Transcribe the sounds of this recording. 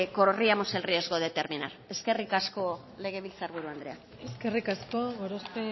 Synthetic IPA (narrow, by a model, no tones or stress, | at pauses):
ko̞ɾoriamoselriazɣoðe̞t̪e̞ɾminaɾe̞ske̞rikasko̞ | le̞ɣ̞e̞βilt͡saɾβuɾuand̪ɾe̞a | eskerikaskoɣoɾospe